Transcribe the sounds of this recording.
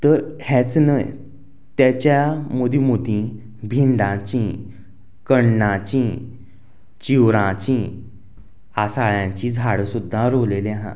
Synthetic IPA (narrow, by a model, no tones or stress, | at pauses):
t̪əɾhɛt͡snəj | t̪jat͡ɕjamod̪ʱimod̪ĩ | bʱind̪ãt͡ɕĩ | kəɳːãt͡ɕĩ | t͡ɕiwɾãt͡ɕĩ | asaɭjãɲt͡ɕĩd͡zʱaɽsud̪ʱːãɾoleleɦã̰